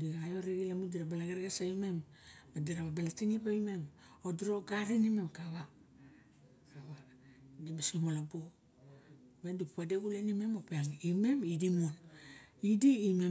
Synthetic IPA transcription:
diɡaːjoɾiɡilamudiɾabalaɡeɾɡasaime̞m | badiɾaβabalatinibaime̞m | odiɾo̞ɡaɾinime̞mkaβa | kaβa | dimasimolabo | βendipupadeɡulenime̞mopeaŋime̞midimuonidiːme

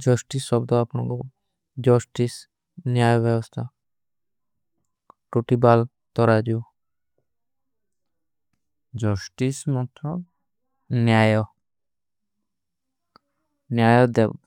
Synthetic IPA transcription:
d͡ʒɔsʈisɔbd̪ɔapnɔ̰̃ŋkɔ | d͡ʒɔsʈis | njajɔbjɛbɔst̪ʰa | ʈuʈibal | t̪ɔɾad̪iu | d͡ʒɔsʈismɔt̪ɾɔ | njajɔ | njajɔd̪ɛb

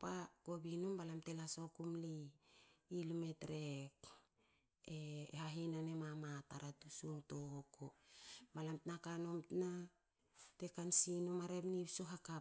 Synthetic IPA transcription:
pako̞binombalamte̞laso̞kumliː | lumetɾek | ehaɦinanemamataɾatusuntohokobalamtnakanomtna | te̞kansinomaɾepnibsoɦaka

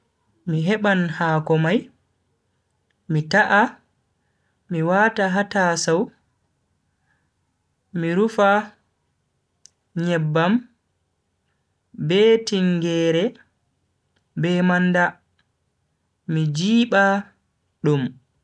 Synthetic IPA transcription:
miɦɛɓanhaːkɔmaj | mitaʔa | miwataɦatasaw | miɾufa | ɲɛbːam | bɛtiŋɡɛːɾɛ | bɛmanda | mid͡ʒiːɓa | ɗum

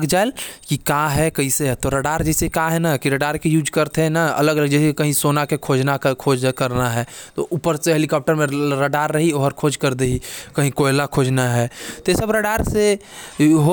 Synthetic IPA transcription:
ɡd͡ʒaelkikaɦɛkəɦĩseɦɛt̪oɾəɖaːɾd͡ʒɛːsekaɦɛnakiɾəɖaːɾkijuːd͡ʒkəɾt̪eɦɛnaə̰ləɡələɡd͡ʒɛseekəɦĩsoːnakekʰoːd͡ʒnakʰoːd͡ʒkəɾnaɦɛːt̪oʔupəɾseɦelikɔːp̚ʈəɾmẽɾəɖaːɾːəɦioːɦəɾkʰoːd͡ʒkəɾd̪eɦikəɦĩkoɪlakʰoːd͡ʒnaɦɛːt̪ojesəbɾəɖaːɾse | ɦo

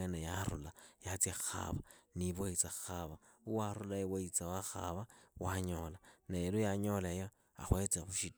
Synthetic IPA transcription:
enajaɾṵlajat͡sexa̰βaniβoit͡saxaβauwaɾulajewait͡sawaxa̰βawaɲolaneelujaɲolejo | a̰xwet͡sexuʃi

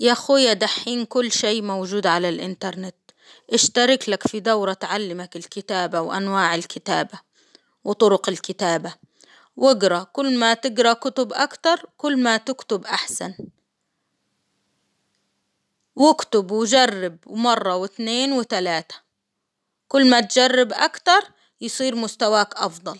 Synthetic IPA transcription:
jaxʊjːad̪aħːiːnkʊlːʃeːmawd͡ʒuːd̪ʕalalʔɪnt̪ɑɾˤnɪt̪ | ʔɪʃt̪aɾˤɪklakfid̪awɾˤɑt̪ʕalːɪmakɪlkɪt̪aːbawʔa̰nwaːʕɪlkɪt̪aːba | wt̪ˤʊɾʊqɪlkɪt̪aːba | wʔɪɡɾˤɑkʊlːmat̪ɪɡɾˤɑkʊt̪ʊbʔakt̪ɑɾˤkʊlːmat̪ɪkt̪ʊbʔaħsan | wɪkt̪ʊbwd͡ʒarːɪbmɑrˤːɑwɪt̪neːnwɪt̪alaːt̪ḁ | kʊlːmat̪d͡ʒarːɪbʔa̰kt̪ɑɾˤ | jsˤiːɾmʊst̪awaːkʔɑfd̪ˤɑl

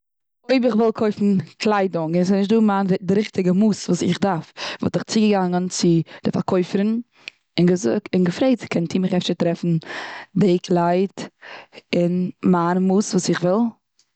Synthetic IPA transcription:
oɪbɪχvɪlˠkʰoɪfn̩klˠaɪdʊŋɪns̬ɪsnɪʃt̚duːmaːndɪɾɪχtɪɡəmuːsvuːsɪχdaɾfvɔ̰tɪχt͡sɪɡəɡaŋənt͡sɪd̥ɪfa̰ɾkʰɔɪfəɾn | ɪnɡəzʊk̚tɪnɡəfɾeɪtkʰɛntʰiːmɪχɛfʃəɾtɾɛfn̩dekʰlˠaɪt | ɪnmaːnmuːsvuːsɪχvɪlˠ

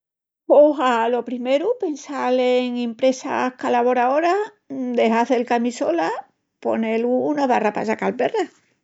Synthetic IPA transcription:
oɦalo̞pɾime̞ɾupe̞nsaleŋempɾe̞sa̰hkalaβo̞ɾao̞ɾa | d̪e̞ɦaθe̞lkamisola | po̞̰ne̞luːnaβarapasakalpe̞ra

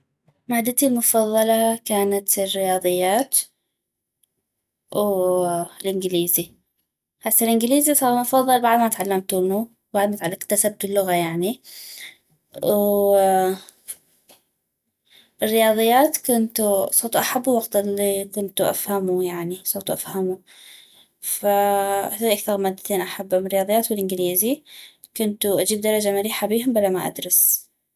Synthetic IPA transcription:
maːd̪ːat̪ilmʊfɑðˤːɑlɑkaːnat̪ɪrːɪjɑːðˤɨjːaːt̪ | w | lʔɪnɡɪliːzi | ħasːalʔɪnɡɪliːzisˤɑːɾmʊfɑðˤːɑlbaʕd̪mat̪ʕalːamt̪ʊnu | baʕd̪mat̪ʕalːkt̪ːasab̚fɪlːʊɣajaʕni | w | ɪrːɪjɑːðˤɨjːaːt̪kʊnt̪usˤowt̪ʔaħabːuwaɡt̪ɪlːikʊnt̪uʔa̰fhamujaʕnisˤowt̪uʔafhamu | faθaiʔakθɑɾˤmaːd̪ːat̪eːnʔaħabːʊmɪɾɪjɑːðˤjːaːt̪wɪlʔɪnɡliːzi | kʊnt̪uʔad͡ʒiːb̚d̪ɑɾˤɑd͡ʒamaɾiːħabiːhʊmbalːamaʔa̰d̪ɾɑs

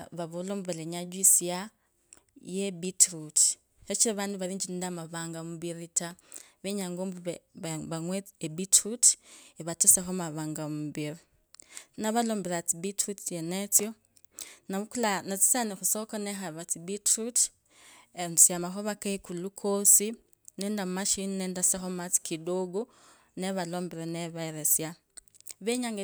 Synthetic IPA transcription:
βaβoloːmbβeleɲaɟwisija | jebitɾut | et͡ʃiɾiβaːndiβaɾiːɲd͡ʒinidamaβaːŋɡamuβiɾitaβeɲaŋɡoːmbuβeββaŋweebitɾuteβatusexomaβaːŋɡamuβiɾi | naβaloːmbelat͡sibitɾutjenet͡sjo | naβukulanat͡si̥sanixusokonexaβat͡sibitɾut | eusjamaxoβakeikulukʰosi | nendamaʃininendasexomat͡si̥kidoɡu | neβaloːmbiɾeneβaeɾesja | βeɲaŋɡ

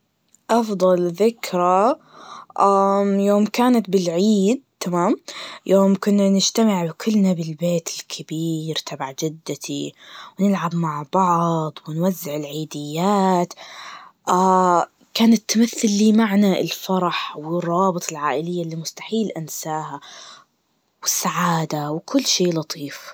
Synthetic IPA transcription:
ʔɑfd̪ˤɑlðɪkɾˤa | ʔamjoːmkaːnat̪bɪlʕiːd̪̚t̪amaːmjʔoːmkʊnːanɪd͡ʒt̪amɪʕbkʰʊlːnabɪlbeːt̪ɪlkʰɪbiːɾt̪ʰabaʕd͡ʒɪd̪ːat̪iwnɪlʕabmaʕbɑʕd̪ˤwɪnwazːɪʕɪlʕiːd̪ɪjːaːt̪ʔa | kaːnat̪ːamaθːalːiːmaʕnaɪ̰lfɑɾˤɑħwɪrˤːɑːbɨt̪ˤɪlʕaːʔɪlɪjːalːiːmʊst̪ḁħiːlʔansaːha | wɪsːaʕaːd̪awkʰʊlːʃeːlɑt̪ˤʰiːf

